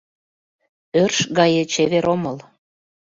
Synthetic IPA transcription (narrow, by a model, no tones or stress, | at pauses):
ørʃɣɑjĕt͡ɕeβeɾoməl